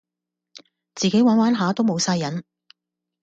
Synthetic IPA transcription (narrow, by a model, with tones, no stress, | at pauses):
t͡siː˨ke˨˥jwaː˨˥nwaː˨˥nɦaː˨˥t̪o˥wmo˨˧wsaː˧jɐ˨˥n